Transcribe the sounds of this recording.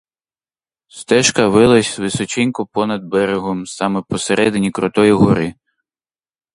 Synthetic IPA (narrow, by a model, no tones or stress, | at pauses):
st̪ɛʃkɐʋɪlˠɐsʲzʋɪsɔt͡ʃɪnʲkʊpɔnɐd̪̚bɛɾeɦɔmsɑmɛpɔseɾʔɛd̪ɪnʲikɾɔt̪ɔjiɦɔɾɪ